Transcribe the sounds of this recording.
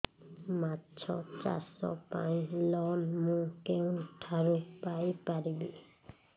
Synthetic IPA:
matt͡ʃʰɔ̰t͡ʃa̰ɾsɔ̰pa̰j̃slɔlmũkew̃ʈʰaɾupajpaɾibi

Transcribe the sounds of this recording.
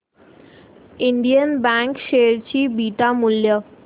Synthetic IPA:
iɳɖijənbɛŋkʃeɾt͡ɕibiʈamulːjo

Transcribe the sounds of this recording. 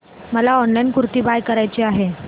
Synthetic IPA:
məlaɔnlajnkuɾt̪iːbajkəɾajt͡ɕeaɦe

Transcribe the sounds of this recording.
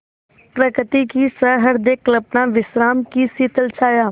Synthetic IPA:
pɾəkɾɪt̪ikisəɦəɾd̪ekləbnãʋɪsɾaːmkisiːt̪əlt͡ʃʰaːjaː

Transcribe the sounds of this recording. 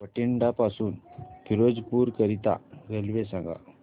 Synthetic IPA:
pəʈiɳɖapasuːnbʱiɾod͡ʒpuɾkəɾit̪a̰ɾelʋesãŋɡʱa̰

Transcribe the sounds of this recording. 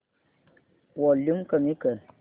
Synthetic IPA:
wɔlimkəmikə

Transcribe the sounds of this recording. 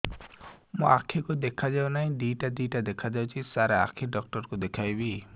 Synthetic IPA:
mũakʰːikud̪ekʰad͡ʒawnaɦĩɖiʈadiʈad̪ekʰad͡ʒawt͡ʃʰisaɾaa̰kʰiɖɔk̚ʈɔɾkud̪ekʰajbi

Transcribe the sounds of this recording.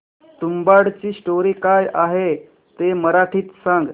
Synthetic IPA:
t̪umbaɽt͡ɕiːsʈoɾiːkajaɦe | t̪eməɾaʈʰiːt̪sãŋɡ

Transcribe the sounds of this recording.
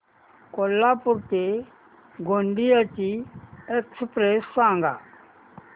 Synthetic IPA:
kolːaːpʊɾt̪e | ɡʱoɳɖiət͡ɕiekspɾesːãːŋɡa̰ː

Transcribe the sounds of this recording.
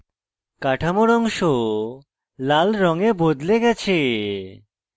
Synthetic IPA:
kaʈʰamoɾɔŋʃo | lalɾɔŋebod̪leɡɛt͡ɕʰe

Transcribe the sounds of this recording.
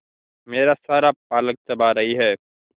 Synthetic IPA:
meːɾasaːɾap̚aːlək̚t̪ɐbaɾɐɦiɦɛː

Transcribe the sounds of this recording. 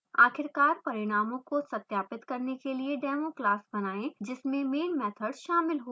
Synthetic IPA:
aːkʰɪɾkaːɾpɐɾɪɽ̃aːmõkosɐt̪jaːpɪt̪kɐɾnekelieɖɛːmoklaːsbɐnaːẽd͡ʒɪsmẽmeːnmɛːt̪ʰəɖʃaːmɪlɦoː

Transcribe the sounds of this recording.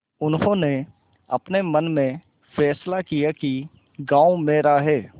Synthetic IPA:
ʊnɦõːne | ɐpnemənmẽ | fɛːslakijaki | ɡãːumẽːɾaɦɛː

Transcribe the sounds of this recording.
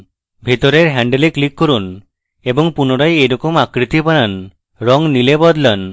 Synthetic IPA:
bʱit̪ɔɾeɾɦɛɳɖeleklikːɔɾun | ebɔŋpunoɾajejɾɔkɔmakɾit̪ipanan | ɾɔŋnilebɔd̪lan

